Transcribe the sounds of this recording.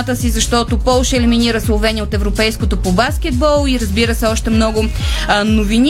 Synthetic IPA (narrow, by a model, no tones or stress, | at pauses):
t̪əsizɐʃt̪ɔt̪ʊpɔlˠʃəɛliminiɾəslˠovɛnʲiəot̪ɛvɾopɛjskot̪opobask̟ʲɛd̪̚bɔlˠiɾəzbiɾəsɛɔʃt̪ɛmnɔɡʊnovin